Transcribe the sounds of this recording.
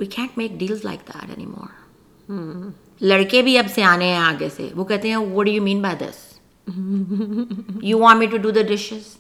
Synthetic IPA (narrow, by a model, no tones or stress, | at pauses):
wiːkʰæ̃ːnʈ̚meːk̚ɖiːlzla̰ɪk̚d̪æ̰ʈɛ̰nḭmɔ̰ːɾ | lɐɽkebʱiɐbseaːneɦɛ̃aːɡesḛʋoːkɛɦt̪eɦɛ̃wɔʈ̚ɖujuːmĩːnbaɪd̪ɪ̰s | juʋɔ̃ːnmiʈuɖud̪əɖɪʃɪz̥